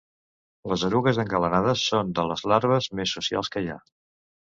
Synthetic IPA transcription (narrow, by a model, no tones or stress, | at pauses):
ləzəɾuɣəzəŋɡələnaðəsːond̪ələzlaɾβəzmesːusia̰lˠskəja̰